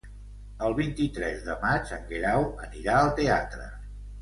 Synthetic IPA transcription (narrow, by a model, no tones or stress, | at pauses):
əlˠβint̪it̪ɾɛzðəmad͡ʒəŋɡɾawəniɾaəlˠt̪eat̪ɾə̰